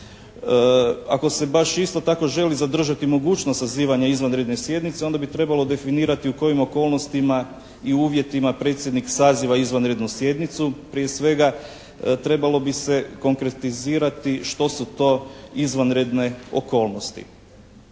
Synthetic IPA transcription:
a̰ko̞se̞baʃist̪o̞t̪ako̞ʒe̞lizad̪r̩ʒat̪imo̞ɡuːt͡ʃnost̪saziːʋaɲaizʋanɾe̞d̪ne̞sje̞d̪nit̪seo̞nd̪abit̪ɾe̞balo̞d̪e̞finiːɾat̪iuko̞jimo̞ko̞ːlno̞st̪ima | iuːʋje̞t̪imapɾe̞t̪sjed̪niksaːziʋaizʋanɾe̞d̪nusje̞d̪nit̪supɾije̞sʋe̞ɡa | t̪ɾe̞balo̞bise̞ko̞ŋkɾe̞t̪iziːɾat̪iʃt̪o̞sut̪o̞izʋanɾe̞d̪ne̞o̞̰ko̞ːlno̞st̪ḭ

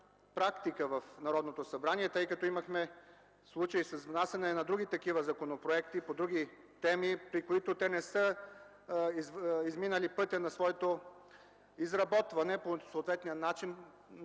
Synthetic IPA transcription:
pɾakt̪ikəvɐfnɐɾɔd̪not̪osɐbɾaniɛt̪ɤjkɐt̪ɔimɐxmɛ | slˠut͡ʃəisɐzvnasʲɛnɛnɐd̪ɾuɡ̟it̪ɐkivəzɐkonopɾoɛkt̪ipod̪ɾuɡʲi | t̪ɛmipɾikoit̪ot̪ɛnɛsə | izizminəlipɤt̪ʲɐnɐsvɔɛt̪o | izɾɐbɔt̪vɐnɛposoːt̪vɛt̪nijənat͡ʃin

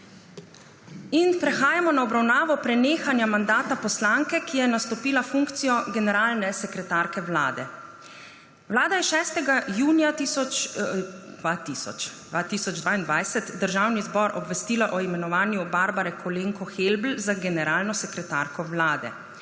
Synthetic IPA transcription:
inpɾɛxaːjamɔnaɔbɾawnaːʋɔpɾɛneːxanjamand̪aːt̪apɔslaŋkɛkijɛnast̪ɔpiːlafuŋkt̪sijɔɡɛnɛɾaːlnɛsɛkɾɛt̪aːɾkɛwlaːd̪ɛ | ʋlaːd̪ajɛʃɛːst̪ɛɡajuːnjat̪isɔt͡ʃ | d̪ʋat̪isɔ̰t͡ʃd̪ʋat̪isɔd͡ʒd̪ʋaːind̪ʋajsɛt̪d̪əɾʒaːwnizbɔɾʔɔbʋɛst̪iːlaʔɔimɛnɔʋaːnjubaɾbaɾɛkʰɔleːŋkɔxelbl̩zaɡɛnɛɾaːlnɔsɛkɾɛt̪a̰ːɾkɔwlaːd̪ɛ̰

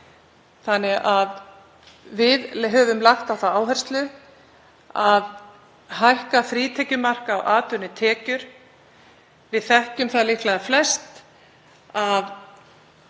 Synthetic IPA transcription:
θanːɪɣʔað | vɪðɦœːvʏmlaxt̪awθaaːwɦɛr̥st̪lʏ | að | hajr̥kafɾiːt̪ʰɛcʏmar̥kawʔaːt̪ʏnɪt̪ʰɛːcʏɾ̥ | vɪðθɛhcʏmθaliht̪laðaflɛst̪ | av

